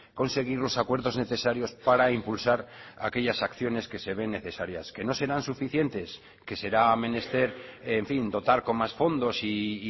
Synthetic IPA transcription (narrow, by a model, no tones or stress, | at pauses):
ko̞nse̞ɣ̞iɾlo̞sakwe̞ɾðo̞zne̞θe̞saɾjo̞spaɾaimpulsaɾake̞ʎasakθjo̞ne̞ske̞se̞β̞e̞nːe̞θe̞saɾjaske̞no̞se̞ɾansufiθje̞nt̪e̞s | ke̞se̞ɾaːmẽ̞ne̞st̪e̞ɾeɱfind̪o̞t̪aɾko̞mmasfo̞nd̪o̞siː